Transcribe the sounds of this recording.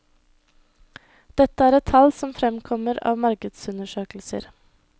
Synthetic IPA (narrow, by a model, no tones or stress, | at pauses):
d̪̥ɛt̪əæːɾɛt̪ʰːɑlsɔmfɾɛmkʰɔməɾɑ̰ːʋmɑɾkəd̪sʉnəʃøːkl̩sə̰ɾ